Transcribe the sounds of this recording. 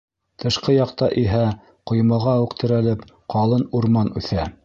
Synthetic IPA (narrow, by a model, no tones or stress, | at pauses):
t̪ʰɤ̆ʃqɤjɑqt̪ɑʔiɦæ | qŏjmɤ̆ʁɑʉqt̪ɘ̆ɾælɘp | qɑlˠɤnuɾmɑnʉθæ